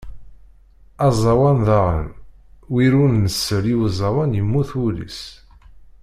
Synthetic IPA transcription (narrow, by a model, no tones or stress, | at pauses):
ɑzˤɑwɑnðɑʁə̰nwiɾunnəsːəɾiwzˤɑwænjəmːuθulḭs